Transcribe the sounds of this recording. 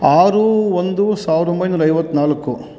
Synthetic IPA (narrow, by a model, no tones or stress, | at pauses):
aːɾuond̪usaːʋɾd̪ombɐjnuːɾɐjʋɐt̪ːunaːlɐkːu